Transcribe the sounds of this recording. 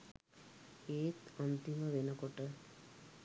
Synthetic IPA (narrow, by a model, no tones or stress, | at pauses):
eːt̪ənt̪iməʋenəkoʈə